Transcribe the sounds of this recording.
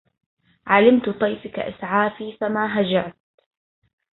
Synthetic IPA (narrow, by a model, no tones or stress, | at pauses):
ʕalɪmt̪t̪ˤɑjfɪka̰ʔɪsʕaːfiːfamaːɦad͡ʒaʕt̪̚